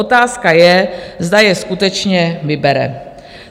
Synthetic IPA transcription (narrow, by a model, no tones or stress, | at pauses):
ot̪aːskajɛzd̪ajɛskut̪ɛt͡ʃɲɛvɪbɛɾɛ̰